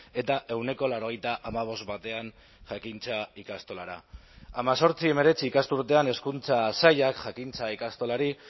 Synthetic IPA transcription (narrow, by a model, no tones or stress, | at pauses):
e̞t̪aʔe̞wne̞ko̞laɾo̞ɣ̞ejt̪aʔamaβ̞o̞st̪bat̪e̞an | ʝakint͡saikast̪o̞laɾa̰amaso̞ɾt͡sie̞me̞ɾe̞t͡siːkast̪uɾt̪e̞ane̞skunt͡sasajakʝakint͡saikast̪o̞laɾi